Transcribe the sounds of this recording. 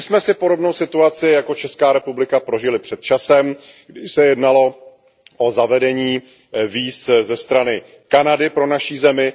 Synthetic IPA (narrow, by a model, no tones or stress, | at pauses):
ɪsmɛsɪpo̞ɾo̞bno̞wsɪt̪uat͡sɪjako̞t͡ʃɛskaːɾɛpublɪkapɾo̞ʒɪlɪpr̝̥ɛt̪̚t͡ʃasɛmɡdɪʃsɛjɛdnalo̞ | ʔozavɛdɛɲiː | viːszɛst̪ɾanɪ | kanadɪpɾo̞naʃiːzɛmɪ